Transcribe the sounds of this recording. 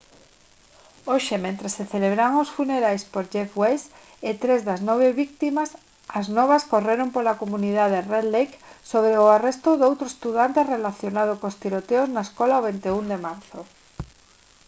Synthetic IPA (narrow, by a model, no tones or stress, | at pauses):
oʃemẽnt̪ɾeseθeleβɾaŋosfuneɾajspoɾd͡ʒefwejs | et̪ɾezðaznɔβ̞eβik̚t̪imas | ɐznɔβ̞askoreɾompolakomuniðað̞ereðlejksoβɾeʊarest̪ʊðowt̪ɾʊest̪uðant̪erelaθjonað̞okost̪iɾot̪eoznaeskɔlaoβent̪eund̪emaɾθo